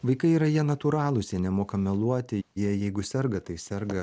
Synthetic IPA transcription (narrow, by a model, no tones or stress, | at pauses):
ʋɐɪkɐɪiːɾɐjiɛnɐt̪uɾɑːlˠʊsʲɛnʲɛmoːkɐmʲɛlˠuɔt̪ʲɪjiɛjɛɪɡʊsʲɛɾɡɐt̪ɐɪsʲɛɾɡɐ